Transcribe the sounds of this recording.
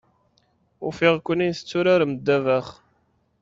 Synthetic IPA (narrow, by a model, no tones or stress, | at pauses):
ʊfɪʁkʷːənijθət͡sːʊɾaɾmd̪ːævæχ